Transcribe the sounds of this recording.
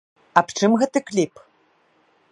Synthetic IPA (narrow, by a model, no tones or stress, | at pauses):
apʈ͡ʂʰɨmɣɐtɨklʲipʰʼ